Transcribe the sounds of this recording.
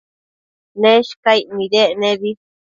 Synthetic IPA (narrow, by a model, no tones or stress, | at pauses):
nẽʃkaimĩðeʔnẽβi